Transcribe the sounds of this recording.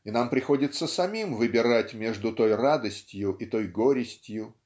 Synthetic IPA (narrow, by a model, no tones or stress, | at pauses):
ɪnampɾʲɪxo̞dʲɪt̪sːəsɐmʲimvɨbʲɪɾatʲmʲeʐd̪ʊt̪o̞jrad̪əsʲtʲjʊʔɪt̪o̞jɡo̞ɾʲɪsʲtʲjʊ